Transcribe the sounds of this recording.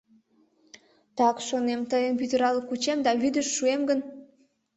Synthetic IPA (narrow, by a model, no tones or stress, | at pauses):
t̪ɑkʃonemt̪əjəmpyd̪əɾɑləkut͡ɕemd̪ɑβyd̪əʃːuemɡən